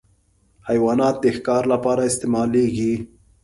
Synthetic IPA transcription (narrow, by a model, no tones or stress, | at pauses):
hajwɑnɑt̪̚d̪əxkɑɾlapɑɾaɪst̪emɑleɡi